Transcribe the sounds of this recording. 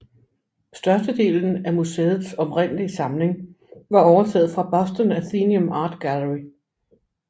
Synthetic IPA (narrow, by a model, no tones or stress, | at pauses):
sd̥ɶɐsd̥əd̥e̝̰ːln̩æmuseːð̞̩ˠsɒ̽pʁen̰lisɑ̈mle̝ŋ | ʋɑ̈ɒʊɐt͡sʰɛ̰ːð̩ˠfʁɑ̈b̥ɒ̽sd̥ənæθiːniɔmɑ̈ːd̥ɡ̥æləʁi